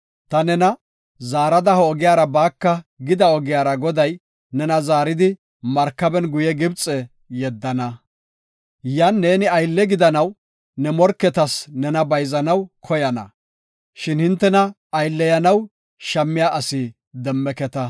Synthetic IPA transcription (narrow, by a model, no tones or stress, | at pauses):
t̪ɐnɛnɐ | zaːɾɐd̪ɐhɔɔɡɪjaːɾɐbaːkːɐɡɪd̪ɐɔɡɪjaːɾɐɡɔd̪ɐj | nɛnɐzaːɾɪd̪ɪ | mɐɾkːɐbɛnɡʊjɛɡɪbt͡sʼɛ | jɛd̪ːɐnɐ | janːe̞ːnɪɐjlːɛɡɪd̪ɐnɐw | nɛmɔɾkːɛt̪ɐsnɛnɐbɐjzɐnɐwkʰɔjɐnɐ̰ | ʃɪnhɪnt̪ːɛnɐ | ɐjlːɛjɐnɐw | ʃɐmːɪjaːʔɐsi | d̪ɛmːɛkɛt̪ɐ